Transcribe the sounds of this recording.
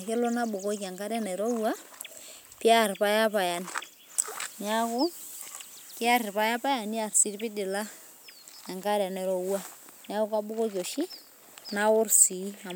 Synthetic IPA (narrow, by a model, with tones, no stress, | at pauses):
ke˦lo˦na˦bu˨ko˦k̬a˨ŋɡa˦ɾja˦nɛ˨ɾo˦wa˦ | pi˦a˦˨ɾpa˦ja˦pa˨ja˨ni˨ | na˦ko˦ | ki˦a˦ɾi˨pa˦ja˦pa˦ja˨ni˦a˨rsi˦ɾpi˦di˨la˦ | ja˨ŋka˦ɾa˨nɛ˨ɾo˨wa˦nja˦ku˦ka˦bu˦ko˦k̬jo˨ʃi˦ | na˦o˦ɾsi˨˦a˨